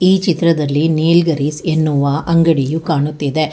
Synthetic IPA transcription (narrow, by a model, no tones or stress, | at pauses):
iːt͡ʃit̪ɾɐd̪ɐlːineːlɡɐɾisenːuʋɐʔɐŋɡɐɽijukaːɳut̪ːid̪e̞